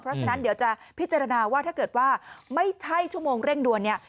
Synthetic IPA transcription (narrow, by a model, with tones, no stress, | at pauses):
pʰɾɔ˦˥t͡ɕʰa˧na˦˥ndi˩˦wt͡ɕa˨˩pʰi˦˥t̪̚t͡ɕa˧ɾa˧naː˧waː˥˩t̪ʰaː˥˩kɤː˨˩t̪̚waː˥˩ma˥˩jt͡ɕʰa˥˩jt͡ɕʰu˥˩əmoː˧ŋɾe˥˩ŋdu˧ənːi˥˩ɐ